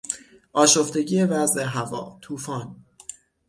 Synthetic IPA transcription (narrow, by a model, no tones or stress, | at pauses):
ʔɒːʃo̞ft̪e̞ɟiːjevæzʔe̞ɦævɒːt̪ʰuːfɒːn